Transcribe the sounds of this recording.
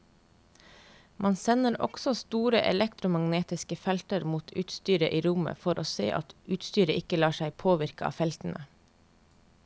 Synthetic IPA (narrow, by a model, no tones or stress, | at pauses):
mʔɑnsɛnəɾɔ̰ɡ̥sɔst̪uːɾəʔɛ̰lɛkt̪ɾʊmɑŋneːt̪ɪskəfɛlt̪əɾmuːt̪ʰʉːt̪st̪yːɾəʔiːɾʊmə̰fɔɾʔoːsḛːʔɑt̪ʉːt̪st̪yːɾəʔɪkəlɑːʃæɪpʰoːʋɪɾkəʔɑ̰ːfɛlt̪n̩ə